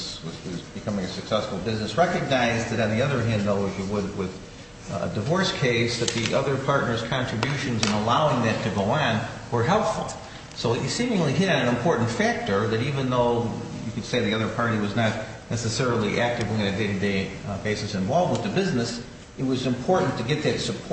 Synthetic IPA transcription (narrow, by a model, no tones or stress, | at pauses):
swʌzwʌzb̥ɨkʰʌmɪ̃ŋɨsɨksɛsfl̩ˠbɪznɨsɹɛkɨɡ̚naɪzðɨɾɨ̃nðiʌðə˞ɦæ̃nðoʊɨzɨwəd̚wɪð̥ | ə̰dɨvɔɹskʰeɪsðɨt̪̚ðiʔʌðə˞pʰɑɹtⁿnə˞z̥kʰɑ̃nt͡ʃɹ̥ɨbjʉʃɨ̃nzɨ̃nəlaʊɪ̃ŋðɨ̃ttʰɨɡoʊə̃nwə˞ɦɛlˠpfl̩ˠ | soʊisĩmɪ̃ŋliɦɪɾɨ̃nɨ̃nɨ̃mpʰɔɹʔn̩tfæk̚tə˞ðɨɾivɨ̃nðoʊjɨkɨd̥seɪðiʌðə˞pʰɑɹɾiwʌznətⁿ | nɛsɨsɛɹl̩ˠiʔæk̚tɨvɨ̃nɨdeɪɾɨdeɪb̥eɪsɨsɨ̃ɱvɑlˠvmə̃ntʰɨbɪznɨs | ɨt̚wʌzɨ̃mpʰɔɹʔn̩tʰɨɡɛt̪̚ðɨtsɨpʰ